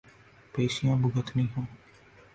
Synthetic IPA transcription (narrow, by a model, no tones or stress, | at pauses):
peːsɪjãːbʊɡət̪ʰnĩːɦõː